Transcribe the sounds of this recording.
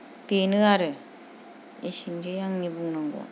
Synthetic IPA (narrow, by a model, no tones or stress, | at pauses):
penɯaɾɯ | esinɡejaŋnibuŋnaŋɡɔ̰